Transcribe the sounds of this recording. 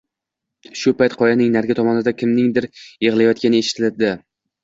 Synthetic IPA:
ʃʊpajt̪qʰɒjanɪŋnaɾɡʲat̪ʰɒmɒnɪd̪akʲʰɪmnɪŋd̪ɪɾjeʁlˠajɒt̪̚kʲanɪeʃɪ̥t̪ʰɪld̪ɪ

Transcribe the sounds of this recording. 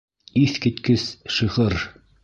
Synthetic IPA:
iθkɘ̆t̪kɘsʃɤ̆ʁɤɾ

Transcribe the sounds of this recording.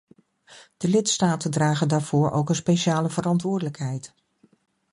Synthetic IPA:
d̥əlɪtstaːtəndraːχəndaːɹv̥ʊːɹʔo̰wkənspejʃaːləvərɑntʋʊːɹdələkɦɛjt

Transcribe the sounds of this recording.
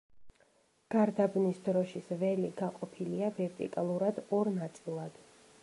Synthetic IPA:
ɡ̥aɾd̪abnisd̪ɾɔʃisvɛliɡaqʼɔpʰiliavɛɾt̪ʼḭkʼalˠuɾad̪ɔɾnat̪sʼilˠad̪̥

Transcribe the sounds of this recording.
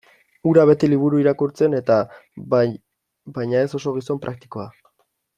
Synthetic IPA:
uɾaβe̞t̪iliβ̞uɾuiɾakuɾt͡se̞ne̞t̪a | bajɲae̞so̞so̞ɣ̞iso̞mpɾʔak̚t̪i̥ko̞a

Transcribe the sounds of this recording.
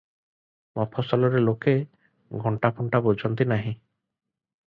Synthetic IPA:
mɔpʰɔsɔlɔɾeloke | ɡʱɔɳʈapʰuɳʈabod͡ʒʱɔnt̪inaɦĩ

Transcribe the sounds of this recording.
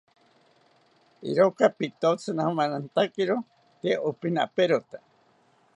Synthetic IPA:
ḭɾokapit̪ot͡sʰɨnahomanant̪akiɾo | t̪ieʔopina̰peɾot̪ḁ

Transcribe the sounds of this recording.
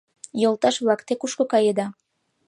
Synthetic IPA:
jolˠt̪ɑʃβlˠɑkt̪ekuʃkokɑjed̪ɑ

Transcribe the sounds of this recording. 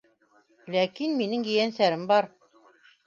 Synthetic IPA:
lækinminɘŋjɘ̆jænsæɾɘmbɑɾ

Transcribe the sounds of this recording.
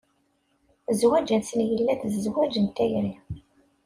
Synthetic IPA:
zwæd͡ʒænsənjəlːæθzzwæd͡ʒənt̪æjɾi

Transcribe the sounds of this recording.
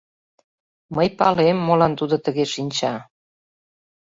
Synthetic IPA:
məjpɑlemːolɑnt̪ud̪ot̪əɣeʃinʲt͡ɕɑ

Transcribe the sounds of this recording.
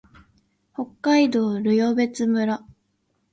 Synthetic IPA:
ho̞kːaid̪o̞ːɾɯjo̞be̞t͡sɨmɯ̟ɾa

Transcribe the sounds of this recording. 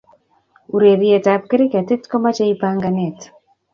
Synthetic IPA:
uɾeɾiɛtap̚keɾekatetkɔmat͡ʃaipaŋɡanɛt

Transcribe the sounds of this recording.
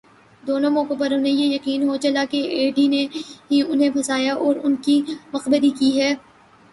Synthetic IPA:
d̪oːnõmɔːkep̬ɐɾʊnɦẽjejɐqiːnɦot͡ʃɐlakeeːɖineɦiʊnɦẽpʰɐsaːjaʔɔːɾʊnkimɐqbəɾikiːɦɛː

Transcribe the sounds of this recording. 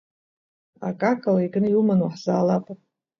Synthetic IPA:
a̰kʼakʼawaiɡʼnɨiumanwaħzaːlapʼa

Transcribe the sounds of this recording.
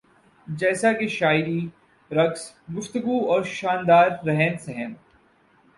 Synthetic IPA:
d͡ʒɛːsakeʃaːɪɾi | ɾɐks | ɡʊft̪əɡuɔːɾʃaːnd̪aːɾːɛɦɛ̃nsɛɦɛn

